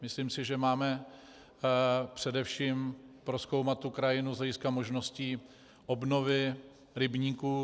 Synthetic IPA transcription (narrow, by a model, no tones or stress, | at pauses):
mɪslimsɪʒɛmaːmɛ | pr̝̥ɛdɛfʃiːmpɾosko̞wmat̪̚ːukɾajɪnuzlɛɟɪskamo̞ʒno̞sciː | ʔobno̞vɪ | ɾɪbɲiːkuː